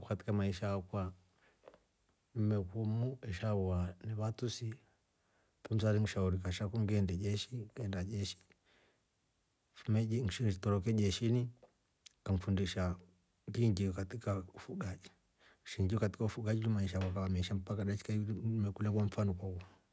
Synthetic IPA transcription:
kkati̥kamaiʃakwa | mɛkɔmuɛʃauanɛβatusi | tum̩saliŋiʃauɾikaʃakuŋɡɛndɛd͡ʒɛʃikɛndad͡ʒɛʃi̥ | umɛŋʃtɔɾɔkɛd͡ʒɛʃini | kam̩fundiʃa | ŋɡiŋɡikatikaufuɡad͡ʒi | ʃiŋɡiɔkati̥kaufuɡad͡ʒinimaiʃ̬akwakawamɛʃam̩pakaɗat͡ʃi̥kaimɛkulɛkwam̩fanɔkwaua

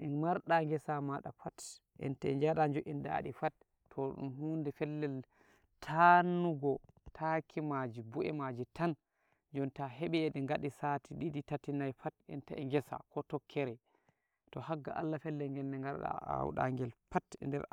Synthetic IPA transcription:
ʔɛnmaɾɗaŋɡɛsamaɗa̰fat | ʔɛ̰ntaɛɲd͡ʒaɗaɲd͡ʒɔʔinda̰ɗifatʰː | ɔɗṵmhundɛfɛlːɛl | tʰanːuɡɔtʰakʰimad͡ʒibuʔɛmad͡ʒitan | d͡ʒɔntaɦɛɓɛːɗɛŋɡaɗisatʰiɗiɗitatinajfatɛ̰ntaɛŋɡɛsa̰kʰɔtɔkʰːɛɾɛ | tɔhaɡːa̰ʔa̰lːafɛlːɛlŋɡɛnːɛŋɡaɾɗa̰a̰wɗa̰ŋɡɛlfatndɛɾ

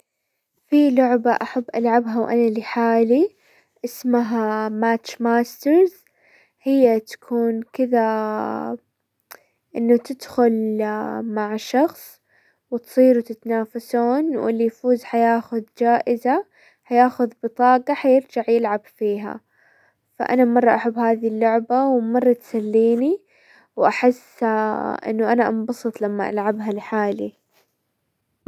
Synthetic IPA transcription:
filʊʕbaʔaħabːʔalʕabɦawʔa̰naliħaːli | ʔɪsmaɦamaːt͡ʃmaːst̪ɪɾz | hɪjːat̪ḁkʰuːnkɪða | ʔɪnːʊt̪ɪd̪xʊl | maʕʃɑxsˤ | wɪt̪sˤiːɾut̪ɪt̪anaːfasuːnwɪ̰lːijfuːzħajaːxʊðd͡ʒaːʔɪza | ħajaːxʊðbɨt̪ˤɑːɡɑħajɪɾd͡ʒaʕjɪlʕabfiːɦa̰ | fa̰ʔa̰namɑrˤːɑʔaħabːhaːðilːʊʕbawmɑrˤːɑt̪salːiːni | wʔaħɪsːʔɪ̰nːʊʔanaʔɑmbɑsˤɨt̪ˤlamːaʔa̰lʕabɦalħaːli

